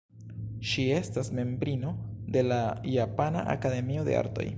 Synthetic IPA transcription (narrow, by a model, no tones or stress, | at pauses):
ʃie̞stasme̞mbɾino̞de̞lajapana̰ʔa̰kade̞mio̞de̞ʔa̰ɾto̞̰j